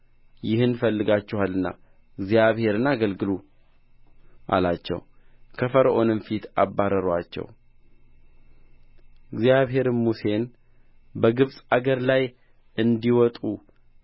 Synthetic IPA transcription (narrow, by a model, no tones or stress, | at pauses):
jɪhɨnfəlːɨɡat͡ʃːɛhalːɨnːa̰ | ɨɡzjaβhe̞ɾɨnaɡəlɡɨlu | ʔa̰lat͡ʃːɛ̰w | kʰəfəɾəʔo̞nɨmfit̪ʰabːaɾəɾwat͡ʃːɛ̰w | ɪɡzjaβɦe̞ɾmuse̞n | bəɡɨβsʼaɡəɾlaj | ʔɨnd̪iwɔt̪ʼu